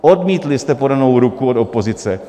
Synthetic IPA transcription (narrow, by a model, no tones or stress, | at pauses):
ʔodmiːt̪lɪst̪ɛpo̞dano̞wɾukuot̪opo̞zɪt͡sɛ